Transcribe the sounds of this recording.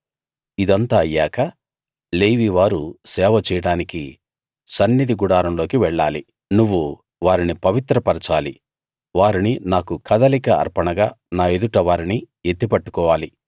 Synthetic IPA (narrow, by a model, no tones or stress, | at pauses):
id̪ɐnt̪aːɐjːaːkɐ | leːʋiːʋaːɾusɛːʋɐt͡ʃɛjɐɽaːniki | sɐnːid̪iɡuɽaːɾɐmlo̞ːkiʋɛɭːaːli | nuʋːu | ʋaːɾinipɐʋit̪ɾɐpɐɾt͡ʃaːlḭ | ʋaːɾininaːkukʰɐd̪ɐlikɐɐ̰ɾpɐɳɐɡaːnaːe̞d̪uʈɐʋaːɾini | et̪ːipɐʈːu̥kɔːʋaːli